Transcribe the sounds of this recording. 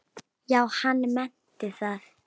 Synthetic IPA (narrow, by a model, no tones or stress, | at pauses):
jawhanmɛn | d̥ɪθað